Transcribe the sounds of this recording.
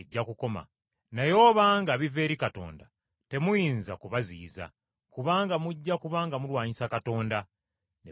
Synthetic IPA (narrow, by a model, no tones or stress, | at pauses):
ɟːakuko̞ma̰ | najo̞ːβaːŋɡaβive̞ːɾikato̞̰ːnda̰ | te̞mujiːnzakuβaziːza̰ | kuβaːŋɡamuɟːakuβaːŋɡamulwaːɲisakato̞ːnda | ne